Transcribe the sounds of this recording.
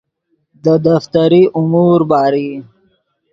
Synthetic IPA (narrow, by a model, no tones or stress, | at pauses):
d̪əd̪aft̪aɾiʔʊmuɾbɑːɾi